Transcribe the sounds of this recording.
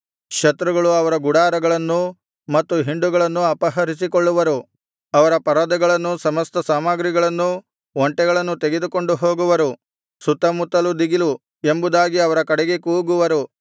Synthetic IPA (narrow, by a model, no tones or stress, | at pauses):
ʃɐt̪ɾuɡɐɭuɐʋɐɾɐɡuɽaːɾɐɡɐɭɐnːu | mɐt̪ːuɦiɳɖuɡɐɭɐnːuɐpɐɦɐɾisikoɭːuʋɐɾu | ɐʋɐɾɐpɐɾad̪ɐɡɐɭɐnːusɐmɐst̪ɐsaːmaɡɾiɡɐɭɐnːu | ʋoɳʈɛɡɐɭɐnːut̪eɡe̞d̪uko̞ɳɖuɦo̞ːɡuʋɐɾu | sut̪ːɐmut̪ːɐlud̪iɡilu | e̞mbud̪aːɡiɐʋɐɾɐkɐɽɛɡe̞kuːɡuʋɐɾu